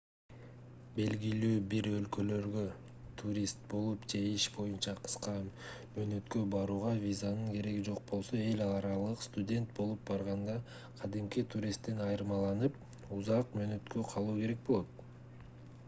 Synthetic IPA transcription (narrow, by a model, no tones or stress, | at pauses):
be̞lɡilyːbiɾø̞lkø̞lø̞ɾɡø̞ | t̪ʰuɾʲist̪̚bo̞lˠupd͡ʒe̞iʃbo̞junt͡ʃɑqʰɯ̥sqɑmøːnø̞t̪kø̞bɑɾuːʁɑvʲizanɯŋke̞ɾe̞ɡid͡ʒoq̚bo̞lˠso̞e̞lʲɑɑɾɑlˠɯqst̪ʊdʲe̞nt̪̚bo̞lˠup̚bɑɾʁɑnd̪ɑ | qʰɑd̪imkit̪ʰuɾʲist̪ːenɑjɾmɑlˠɑnɯp̚ | uzɑqmø̞ːnø̞t̪kø̞qʰɑlˠuːke̞ɾe̞k̚bolˠot̪̚